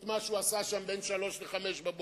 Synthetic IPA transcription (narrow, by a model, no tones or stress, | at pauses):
tmaʃuasaʃambenʃalo̞ʃleχameʃbabo